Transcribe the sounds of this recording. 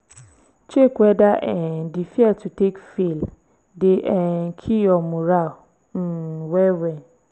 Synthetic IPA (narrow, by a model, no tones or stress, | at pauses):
t͡ɕʰekuɛdaʔɛndifiɛtʰutʰekfil | dɪʔɛkʰijɔmũɾa | n̩wɛɾɛ̃n